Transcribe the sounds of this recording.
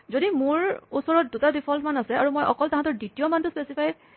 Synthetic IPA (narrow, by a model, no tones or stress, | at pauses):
zodimʊɹusɔɹɔt̚dutadipʰɔltmanasɛaɹumɔjʔɔkɔltaɦãtɔɹditijɔmantʊspesipʰaj